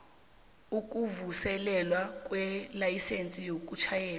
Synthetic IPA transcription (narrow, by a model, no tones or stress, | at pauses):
uk̬ʼuvusɛlɛlwak̬ʼwɛlajisent͡sʼijok̬ʼut͡ʃʰajɛːla